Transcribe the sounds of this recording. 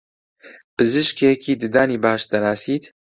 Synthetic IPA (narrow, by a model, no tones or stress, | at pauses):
pɨzɨʃkʰekiːd̪ɨd̪aːniːbaːʃd̪ɐnaːsiːt̪